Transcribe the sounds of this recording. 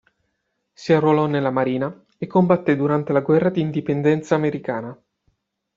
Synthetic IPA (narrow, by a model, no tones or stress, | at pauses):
siarːolɔnːelːamaɾiːna | ekːombat̪ːed̪uɾant̪elaɡwɛrːad̪iːnd̪ipend̪ɛnt̪saːmeɾikaːna